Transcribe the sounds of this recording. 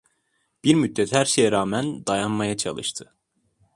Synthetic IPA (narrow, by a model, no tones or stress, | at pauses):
b̥iɾmyd̪ːɛt̪hæɾʃejɛɾaːmænd̪ajanmajat͡ʃʰɑ̰lˠɯ̰ʃt̪ʰɯ